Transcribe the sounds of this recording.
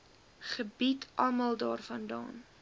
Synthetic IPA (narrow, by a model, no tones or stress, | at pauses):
χəbitʰʔɐmɐlˠdɑːrfɐndɑ̰ːn